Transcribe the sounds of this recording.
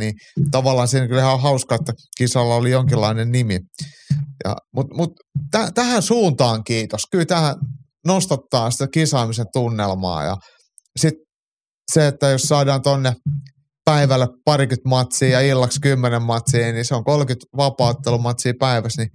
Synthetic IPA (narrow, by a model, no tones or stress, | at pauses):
nit̪ɑʋɑlːˑɑːnsiːnkylhæohɑuskɑet̪ːækisɑlːɑolijoŋkilːɑinennimi | jɑ̰mut̪mut̪ | tæt̪æhænsuːnt̪ɑːŋkiːt̪oskylt̪æhæ | nost̪ɑt̪ːɑːnsi̥t̪ækisɑːmisent̪unːelmɑ̰ːjɑ̰ | sit̪ | seet̪ːæjossɑːdɑːnt̪onːe | pæiʋælːˑeppɑrikyt̪mɑt̪siːjɑilːɑkskymːenemmɑt̪siːniseoŋkolkyt̪ʋɑpɑːt̪ːelumɑt̪siːpæiʋæsni